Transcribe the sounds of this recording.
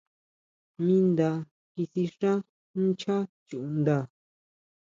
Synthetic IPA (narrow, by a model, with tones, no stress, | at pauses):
mĩ˧nd̪a˧ | ki˧si˧ʂã˦ | t͡ʃa˦t͡ʃu˨˧nd̪a˧˨